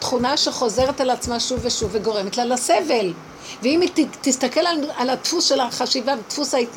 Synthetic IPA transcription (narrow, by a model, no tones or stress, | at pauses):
t̪χunaʃe̞χo̞ze̞ʁet̪alat͡smaʃuveʃuveɡo̞ʁe̞met̪lalase̞ve̞l | veimitt̪ist̪ake̞lalalat̪fusʃe̞laχaʃivavt̪fusai